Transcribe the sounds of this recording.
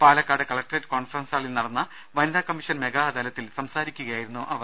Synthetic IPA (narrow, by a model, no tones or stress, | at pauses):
paːlɐkːaːɽɨkɐɭɐk̚ʈretːko̞ːɳfɐrɐnsaːɭilnɐɽɐnːɐ | ʋɐniðakɐmːiʂɐnme̞ɡaːd̪ɐlɐt̪ːilsɐmsaːɾikʲːuɣɐjaːjiɾunːuʔɐʋɐr